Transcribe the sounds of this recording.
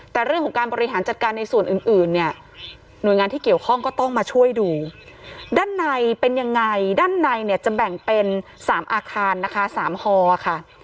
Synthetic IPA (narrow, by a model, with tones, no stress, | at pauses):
t̪ɛː˨˩ɾɯ˥˩əŋkʰɔ˨˦ŋkaː˧nbɔː˧ɾi˧ɦaː˩˦nt͡ɕa˨˩t̪̚kaː˧nːa˧jsu˨˩ənʔɯː˨˩nʔɯː˨˩nːi˥˩ɐ | nu˨˩əjŋaː˧t̪ʰiː˥˩ki˨˩əwkʰɔ˥˩ŋkɔː˥˩t̪ɔ˥˩ŋmaː˧t͡ɕʰu˥˩əjduː˧ | daː˥˩nːa˧jpe˧nja˧ŋːa˧jdaː˥˩nːa˧jni˥˩t͡ɕa˨˩bɛ˨˩ŋpe˧nsaː˩˦mʔaː˧kʰaː˧nːa˦˥kʰa˦˥saː˩˦mhɔː˧a˨˩kʰa˥˩